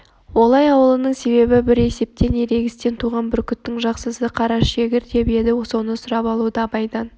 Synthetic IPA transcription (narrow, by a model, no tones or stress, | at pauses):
wo̞lˠɑjɑwəlˠənəɴse̞be̞bɪbɪɾe̞se̞p̚t̪e̞ne̞ɾe̞ɡʲɪst̪e̞nt̪ʰuʁɑnbɪɾkʲʰʏt̪ːɪŋʒɑqsəzəqʰɑɾɑsʃe̞ɡʲɪɾt̪ʰe̞bije̞d̪ɪso̞nəsʊɾɑpɑlˠud̪ɑbɑjd̪ɑn